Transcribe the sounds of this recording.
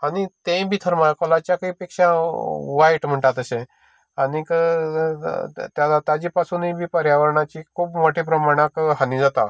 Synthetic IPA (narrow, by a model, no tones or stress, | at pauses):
añit̪ẽbʱiːt̪ʰəɾmakəlat͡ɕjakaipekʂaʋajʈm̤əɳʈat̪əsẽ | anikə | t̪jalat̪ad͡ʑipasunibʱiːpəɾjaʋəɾɳ̃at͡ɕikʰuːpmoʈʰepɾəmaɽ̃akɦanĩd͡zat̪a̰